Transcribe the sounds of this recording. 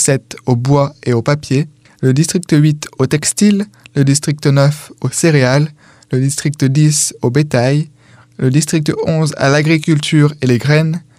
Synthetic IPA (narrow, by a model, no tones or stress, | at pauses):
sɛt̪obwaeopapje | ləd̪ist̪χik̚t̪əɥit̪ot̪ɛkst̪ilːəd̪ist̪χik̚t̪ənœfoseʁealː | əd̪ist̪χik̚t̪əd̪isobet̪aj | ləd̪ist̪χik̚t̪əɔ̃za̰laɡʁikʲylt̪yːʁeleɡʁɛn